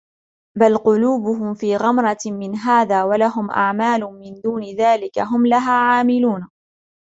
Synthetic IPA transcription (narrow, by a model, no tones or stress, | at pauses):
balqʊluːbʊɦʊmfiːɣɑmɾˤɑmɪnɦaːðaːwalaɦʊmʔa̰ʕmaːlʊmɪnd̪uːnɪðaːlɪkaɦʊmlaɦaːʕaːmɪluːn